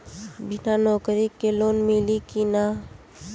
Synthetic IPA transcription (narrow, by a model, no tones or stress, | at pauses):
bʱinanɔːkɾikːeloːnmilikina